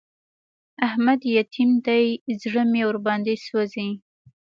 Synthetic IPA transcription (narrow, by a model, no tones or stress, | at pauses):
ahmad̪jat̪ʰimd̪ajzɽəmewʊɾbɑnd̪eswazi